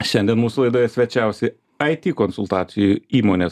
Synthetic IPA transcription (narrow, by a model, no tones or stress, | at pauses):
ʃʲɛnʲd̪ʲiɛnmuːsʊlˠɐɪd̪oːjɛsʲʋʲɛt͡ʃʲɛˑʊsʲɪ | ɐɪt̪ʲiːkonsʊlˠt̪ɑːt̪sʲɪjuiːmoːnʲeːs